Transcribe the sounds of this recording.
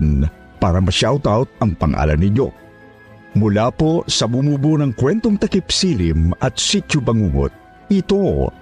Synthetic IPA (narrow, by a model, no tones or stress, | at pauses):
n | paːɾɐmɐʃawt̪awt̪̚ɐŋpɐŋʔa̰ːlɐnɪɲjo̰ | mʊlaːposɐbʊmuːbunɐŋkwɛnt̪oŋt̪ɐkɪpsilimɐt̪̚sit̪ʊbɐŋuːŋo̰t̪̚ | ɪt̪o